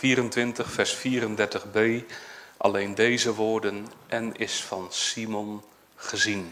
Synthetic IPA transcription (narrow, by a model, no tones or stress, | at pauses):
fiːɾəntʋɪntəχfɛɹsfiːɾəndɛɹtəχbejʔɑ̰lejndejzəʋʊːɹdənʔɛnɪsfɑnsimɔn | χəzin